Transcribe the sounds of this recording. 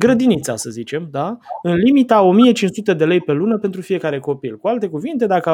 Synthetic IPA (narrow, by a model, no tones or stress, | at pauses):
ɡɾəd̪init̪sa̰səzit͡ʃe̞md̪aɨnlimit̪əao̞mije̞t͡ʃint͡ʃsut̪e̞d̪e̞le̞jpe̞lunəpent̪̬ɾufije̞kaɾe̞ko̞pilkualt̪e̞kuvint̪e̞d̪akə